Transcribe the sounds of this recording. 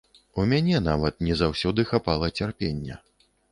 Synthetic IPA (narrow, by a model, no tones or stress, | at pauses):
umʲanʲɛnavɐt̪̚nʲɛzawsʲɔd̪ɨxapalˠɐt͡sʲarpʲenʲːɛ̰